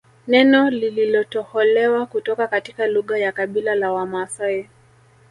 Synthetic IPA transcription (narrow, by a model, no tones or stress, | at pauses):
nɛnɔlililɔtɔhɔlɛwakutɔkakatikaluɣajakaɓilalawamasaɛ